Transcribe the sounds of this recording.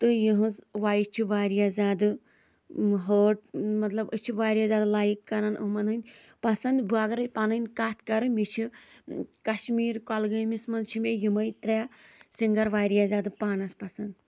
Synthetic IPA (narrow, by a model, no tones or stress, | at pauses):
t̪ɨjiɦũzʋaːjit͡ʃʰiʋaːɾijaːzʲaːd̪ɨ | ɦoːʈmɐt̪lɐbɨt͡ʃʰiʋaːɾʲijaːzʲaːd̪laːjikːɐɾanʔṵɦmɐnɐnʲ | pɐsɐnd̪baːɡɐɾɐjpaːnɐnʲkaːt̪ʰkɐɾɨmʲit͡ʃʰi | kɐʃmiːɾkɔlɡɨmismɐzt͡ʃʰimʲejimɐjt̪ɾʲaːsiŋɡɐɾʋaːɾijaːzʲaːd̪ɨpaːnɐspɐsɐnd̪